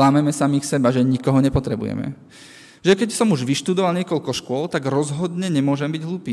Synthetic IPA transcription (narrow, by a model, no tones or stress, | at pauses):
laːmɛmɛsamixsɛbaʒɛɲikɔɦɔɲɛpɔt̪ɾɛbṵjɛ̰mɛ̰ | ʒɛkɛcsɔmuʒʋiʃt̪ud̪ɔʋalɲɪɛkɔʎkɔʃkʊɔlt̪aɡɾɔzɦɔd̪ɲɛɲɛmʊɔʒɛmbiɟɦluːpiː